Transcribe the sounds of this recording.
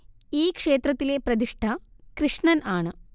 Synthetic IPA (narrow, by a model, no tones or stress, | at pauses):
iːkʂeːt̪ɾɐt̪ːileːpɾɐd̪iʂʈʰɐkɾiʂɳɐnaːɳɨ